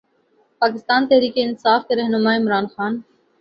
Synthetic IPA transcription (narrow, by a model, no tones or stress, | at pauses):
paːkɪst̪aːnt̪ɛɦɾiːkeɪnsaːfkeɾɛɦnʊmaːɪmɾaːnxaːn